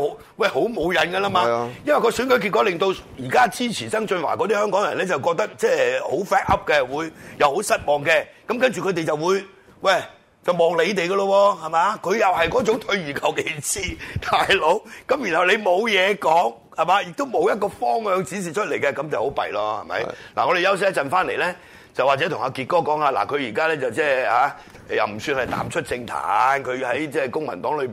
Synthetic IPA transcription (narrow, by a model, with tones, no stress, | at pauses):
ho˨˥w | wɐ˥˩jho˨˥wmo˨˧wjɐ˨˥nɡɐ˧laː˥maː˧jɐ˥nwɐ˨˩kɔː˧syː˨˥nkɵ˨˥ɥki˧t̚kɔ˨˥lɪ˨ŋt̪o˧wjiː˨˩kaː˥t͡siː˥t͡sʰiː˨˩sɐ˥ŋt͡ʃɵ˧nwa̰ː˨˩kɔː˨˧˥d̪i˥hœː˥ŋkɔː˨˥ŋjɐ˨˩nlɛː˥t͡sɐ˨wkɔː˧k̚t̪ɐ˥k̚t͡sɛː˥ho˨˥wfɛː˥t̚ɐ˥p̚kɛ˧wuː˨˧jjɐ˨who˨˥wsɐ˥t̚mɔː˨˩ŋkɛ˧kɐ˨˥mkɐ˥nt͡ʃyː˨kʰɵ˨˧t̪e˨jt͡sɐ˨wuː˨˧j | wɐ˥˨˩j | t͡sɐ˨wmɔː˨˩ŋle˨˧jt̪e˨jɡɐ˧lɔ˧wɔː˧hɐ˨˩maː˨kʰɵ˨˧jɐ˨whɐ˨jkɔː˨˥t͡sʊ˨˥ŋt̪ʰɵ˧ɥɥyː˨˩kʰɐ˨˩wke˨˥˩t͡sʰiː˧t̪ʰaː˨jlo˨˥wkɐ˨˥mjnhɐ˨˩wle˨˧jmo˨˧wjɛː˨˧kɔː˨˥ŋ | hɐ˨˩maː˨˧jɪ˨k̚t̪o˥wmo˨˧wjɐ˥t̚kɔː˧fɔː˥ŋhœː˨˧ŋt͡siː˨˥s̬iː˨˩t͡ʃʰɵ˥t̚le˨˩jkɛ˧kɐ˨˥mt͡swho˨˥wpɐ̰˨jlɔː˧hɐ̰˨˩mɐ̰˨˥jla̰˨˩ŋɔ˨˧d̪e˨jɐ˥wsɪ˥t͡sɐ˨nfaː˥nle˨˩lɛː˥ | t͡sɐ˨wa˨t͡sɛ˨˦t̪ʰʊ˨˩haː˧kiː˨t̚kɔː˥kɔː˨˥ŋaː˧la̰˨˩kʰɵ˨˧ɥjiː˨˩kaː˥lɛː˥t͡sɐ˨wt͡sɛː˥haː˨˥˨ | jɐ̰˨wm̩˨˩syː˧nhɐ˨˩jt̪a̰ː˨˥mt͡ʃʰɵ˥t̚t͡sɪ˧ŋt̪ʰa̰ː˨˥nkʰɵ˨˧hɐ˨˥jt͡sɛː˥˩kʊ˥ŋmɐ̰˨˩nt̪ɔː˨˥ŋlɵ˨˧ɥmi˨n